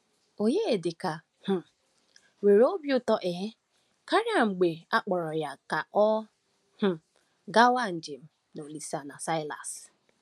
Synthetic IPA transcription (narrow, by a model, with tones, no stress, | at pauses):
o˨ɲe˦˨dɪ˨ka˨ | h̩˨ | we˨ɾo˦bjʊ˦tɔ˦ʔe˨ɦe˦ | ka˦ɾja˨ŋ͡m̩˨ɡ͡be˨a˦k͡pɔ˨ɾɔ˨ja˨ka˨ʔɔ˦ | h̩˨ | ɡa˦wa˦˨n̩˨d͡ʒɪ˨m̩˦ | no˨li˨sa˨na˨sa˦ɪ˦la̰˨s